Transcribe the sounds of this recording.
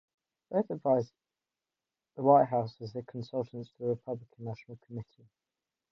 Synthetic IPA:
b̥əʊθədvaɪz | ðəwaɪʔɦaʊswəzðəkʰə̃nsʌlˠtʰə̃ntstʰəðəɹɪpʰʌblɪkʰə̃nːaʃənəlˠkʰəmɪtʰi

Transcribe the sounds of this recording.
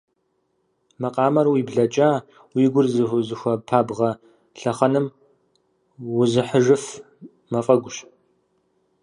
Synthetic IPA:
mɐqʼɑːmɐrwiːbɮɐt͡ʃʼaː | wiːɡʷʊrzɨzɨxʷɐpʰaːbʁɐ | ɬɐχɐnɨm | wʊzɨħəʒɨf | mɐfʼɐɡʷʊɕ

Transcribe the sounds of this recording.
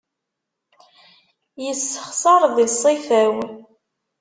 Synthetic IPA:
jəsːəχsɑɾˤðisˤːifæw

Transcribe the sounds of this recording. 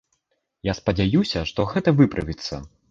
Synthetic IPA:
jaspɐd͡zʲajusʲɐʂt̪ɔɣɛt̪ɐvɨpɾʔɐvʲit̪sːɐ̰

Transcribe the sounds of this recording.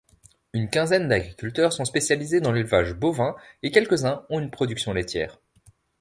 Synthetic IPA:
ynkʲɛ̃zɛnd̪aɡʁikʲylt̪œʁsɔ̃spesjalized̪ɑ̃lylvaʒbovɛ̃ekʲɛlkəzɛ̃ɔ̃ynpχɔd̪yksjɔ̃let̪ʰʲjɛ̰ːʁ

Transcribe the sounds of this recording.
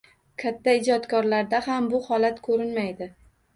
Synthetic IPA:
kʲʰat̪ʰːaɪd͡ʒɒt̪kʰɒɾlaɾd̪ahambʊhɒlat̪kʰɵɾɪnmajd̪ɪ

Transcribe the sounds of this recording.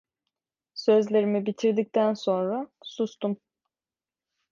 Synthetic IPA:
sø̞zlʲe̞ɾimibit̪ʰiɾd̪ic̚t̪ʰænso̞nɾasust̪um

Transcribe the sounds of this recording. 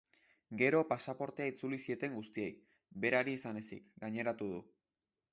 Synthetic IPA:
ɡe̞ɾo̞pasapo̞ɾt̪e̞ait͡sulisie̞t̪e̞ŋɡust̪ie̞j | be̞ɾaɾiːsane̞sḭkɡaɲe̞ɾat̪uðu

